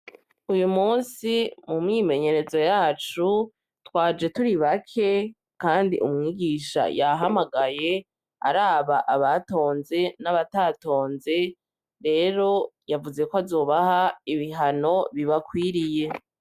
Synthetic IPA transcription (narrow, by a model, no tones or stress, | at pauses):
ujumuːnsimumŋiːme̞ɲe̞ɾe̞zo̞jaːt͡ʃu | twaːd͡ʒe̞tuɾiβakʰe̞ | kaːndiʔumŋiːɡiʃa̰jaɦamaɡaje̞ | a̰ɾaːβaʔaβato̞ːnze̞naβataːto̞ːnze̞ | ɾe̞ːɾo̞javuze̞koazo̞ːβahaiβiɦano̞βiβakwiːɾije̞